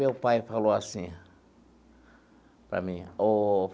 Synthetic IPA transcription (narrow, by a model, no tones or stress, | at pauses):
ewpajfaloasĩ | pɾa̰mĩof